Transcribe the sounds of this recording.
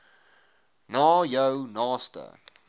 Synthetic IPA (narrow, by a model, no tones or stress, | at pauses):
nɑːjəwnɑːstə̰